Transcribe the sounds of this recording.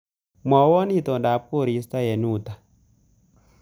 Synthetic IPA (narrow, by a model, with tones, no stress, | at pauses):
mɔ˨wɔ˦ni˦t̪ɔ˨nda˨p̚ko˦˨ɾi˨˦st̪a˦je˨nu˦˨t̪a˨